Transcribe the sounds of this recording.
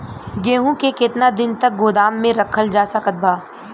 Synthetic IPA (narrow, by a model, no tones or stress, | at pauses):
ɡeːɦũkekɪt̪nad̪ɪnt̪ɐk̚ɡoːd̪aːmːẽɾɐkʰəld͡ʒaːsakət̪̚baː